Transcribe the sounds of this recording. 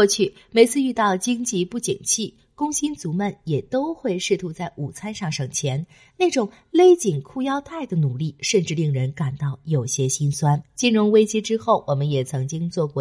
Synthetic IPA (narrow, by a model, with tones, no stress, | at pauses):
ɔ˥˧t͡ɕʰy˥˩me˧˥ɪt͡sʰɹ̩˥˧y˥˧t̪ɑ˥˩ʊt͡ɕi˥ŋt͡ɕi˥˧pu˥˩t͡ɕi˨˩nt͡ɕʰi˥˩ | kʊ˥ŋɕi˥nt͡su˧˥mə˧˩njɛ˨˩t̪o˥ʊxwe˥˧ɪʂɻ̩˥˩t̪ʰu˧˥t͡sa˥˩ɪʔu˨˩t͡sʰa˥nʂɑ˥˩ŋʂɤ˨˩ŋt͡ɕʰjɛ˧˥n | ne˥˩ʈ͡ʂʊ˨˩˦ŋ | le˥ɪt͡ɕi˨˩ŋkʰu˥˧jɑ˥ʊt̪ʰa˥˩ɪd̪ə˩nu˨˩li˥˩ʂə˥˧nʈ͡ʂɻ̩˥˧li˥˩ŋɻə˧˥nka˨˩nt̪ɑ˥˩ʊjo˨˩ʊɕjɛ˥ɕi˥nswa˥nt͡ɕi˥˩nɻʊ˧˥ŋwe˥ɪt͡ɕi˥ʈ͡ʂɻ̩˥xo˥˩ʊwɔ˨˩mə˦njɛ˨˩t͡sʰɤ˧˥ŋt͡ɕi˥ŋt͡swɔ˥˧kwɔ˥˩